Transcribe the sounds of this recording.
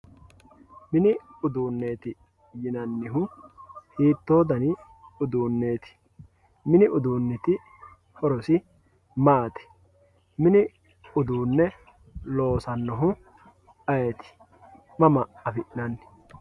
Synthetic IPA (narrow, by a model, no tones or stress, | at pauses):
mɪnɪʊd̪uːnːe̞ːt̪ɪ | jɪnɐnːɪɦʊhiːt̪ːo̞ːd̪ɐnɪ | ʊd̪uːnːe̞ːt̪ɪ̥ | mɪnɪʔʊd̪uːnːɪt̪ɪ | hɔɾɔsɪ | maːt̪ɪ̥ | mɪnɪ | ʊd̪uːnːɛ | lo̞ːsɐnːɔɦʊ | ɐjet̪ɪ̥ | mɐmɐɐfɪʔɪnɐnːɪ̥